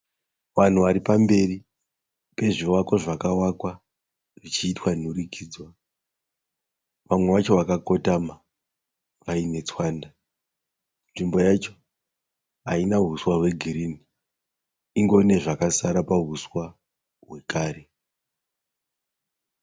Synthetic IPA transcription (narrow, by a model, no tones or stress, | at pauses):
ʋan̤uʋaɾipambe̞ri | pe̞ʐiwako̞ʐakawakwa | ʐit͡ʃiːtwanurikʰiːd͡zwa | ʋamwe̞ʋat͡ʃo̞ʋakako̞tama | ʋaine̞t͡swaːnda | nʐimbo̞jat͡ʃo | ɦainaɦuswaɦwe̞ɡʱiɾini | iŋɡo̞ne̞ʐakasaɾapaɦuswa | ɦwe̞kaːɾe̞